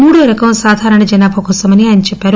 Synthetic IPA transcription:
muːɽuɾɐkɐmsaːd̪ʱaːɾɐɳɐd͡ʒɐnaːbʱɐkɔːsɐmɐniaːnit͡ʃɛpːaːɾu

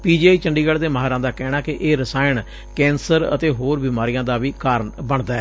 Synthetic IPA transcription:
piːd͡ʒiːaːiːt͡ʃəɳɖiːɡaːɽd̪eːmaːɦaːɾãːd̪aːkɛːɽaːkɪʔeːɾəsaːɪn | kɛ̃ːnsəɾə̰t̪eːɦoːɾbiːmaːɾijãːd̪aːʋiːkaːɾənbəɳd̪aːɛː

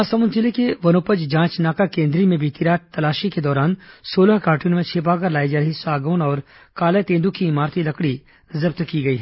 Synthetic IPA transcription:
asəmʊnt̪ɪlekeʋɐnoːpəd͡ʒd͡ʒãːt͡ʃnaːkakẽːnd̪ɾimẽbʱiːt̪iɾaːt̪ɐlaːʃiked̪ɔːɾaːnsoːləɦkaːɾʈunmẽt͡ʃʰeːp̬ak̬ɐɾlaːid͡ʒaːɾəɦisaːɡoːnɔːɾ | kaːlet̪ẽːnd̪ukiɪmaːɾt̪ʰilɐkɽi | zɐb̚t̪kiɡɐiːɦɛ

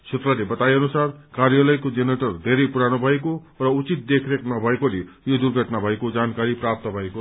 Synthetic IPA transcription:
t͡sʰet̪rʌlebʌt̪ajʌnusarkarjʌlʌjkod͡zeneʈʌrd̪ʱeɾʌjpuɾanobʱʌeko | rʌut͡sit̪̚d̪ekʰreknʌbʱʌekolejod̪urɡʱʌʈnabʱʌekod͡zankaɾiprap̚t̪ʌbʱʌeko

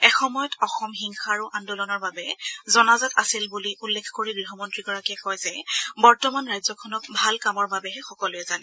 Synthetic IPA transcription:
ɛxɔmɔjɔtɔxɔmɦiŋxaɹuʔandɔlɔnɔɹbabɛzɔnazatasilbuliʔulːekʰkoɹiɡɹiɦɔmɔntɹiɡɔɹakiɛkɔjzɛbɔɹtɔmanɹajzɔkʰɔnɔk̚bʱalkamɔɹbabɛɦɛxɔkɔlʊɛzanɛ

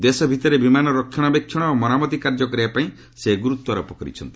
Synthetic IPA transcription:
d̪esɔbʱit̪ɔɾebimanɔɾɔkʰːjɔɽ̃ɔbekʰjɔɽ̃ɔomɔnamɔt̪ikaɾd͡ʒɔkɔɾeapaĩ | seɡuɾut̪wɔɾɔpɔkɔɾḭt͡ʃʰɔnt̪i̥

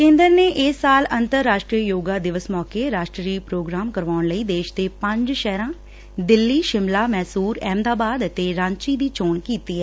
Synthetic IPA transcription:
kẽːnd̪əɾneːʔɪsːaːlənt̪əɾːaːʃʈɾiːəjoːɡaːd̪ɪʋəsmɔːkeːɾaːʃʈɾɾiːpɾoːɡɾaːmkəɾʋaːɳləiːd̪eːʃd̪eːpə̃ɲd͡ʒʃɛːɾãː | d̪ɪlːiːʃɪmlaːmɛːsuːɾɛːmd̪aːbaːd̪t̪eːɾãːnt͡ʃiːd̪iːt͡ʃoːnkiːt̪iːɦɛː

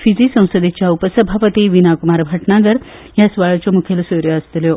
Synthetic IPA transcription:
fid͡zisə̃w̃səd̪et͡ɕjaupəsəbʱapət̪iʋinakumaɾbʱəʈnaɡəɾ | jasʋaɭt͡ɕomukʰelsoɾjoəst̪ljo

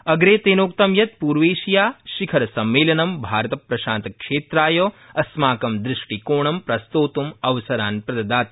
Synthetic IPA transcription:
ɐɡɾeːt̪eːnoːk̚t̪ɐmjɐt̪̚puːɾʋeːʃijaːʃikʰɐɾɐsɐmːeːlɐnɐmbʱaːɾɐt̪ɐpɾɐʃaːnt̪ɐkʂeːt̪ɾaːjoːɐsmaːkɐmd̪ɾɪʂʈikoːɳɐmpɾɐst̪oːt̪umɐʋɐsɐɾaːnpɾɐd̪ɐd̪aːt̪̚

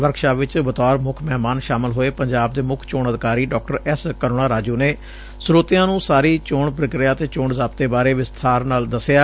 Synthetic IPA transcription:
ʋəɾkʃaːʋɪt͡ʃbət̪ɔːɾmʊkʰmɛːmaːnʃaːmɪlɦoːeːpəɲd͡ʒaːb̚d̪eːmʊkʰt͡ʃoːɳəd̪ɪkaːɾiːɖɔːk̚ʈəɾɛskəɾoːɽãːɾaːd͡ʒuːneː | sʊɾoːt̪ɪjãːnũːsaːɾiːt͡ʃoːɳp̬ɾəkɾɪjaːt̪eːt͡ʃoːɳzaːp̚t̪eːbaːɾeːʋɪst̪ʰaːɾnaːld̪əsɪjaː

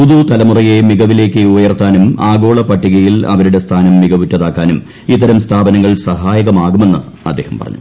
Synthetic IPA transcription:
puðut̪ɐlɐmurɐje̞miɣɐʋile̞ːkːɨubɐjɐrt̪aːnumaːɡo̞ːɭɐpɐʈːiɣɐjilɐ̰ʋɐɾuɽe̞st̪ʰaːnɐmːiɣɐʋiʈːɐðaːkːaːnum | it̪̬ːɐɾɐmst̪ʰaːbɐnɐŋːɐɭsɐɦaːjɐɣɐmaːɣume̞nːɨ | ɐ̰d̪ːeːhɐmpɐrɐ̰ɲːu

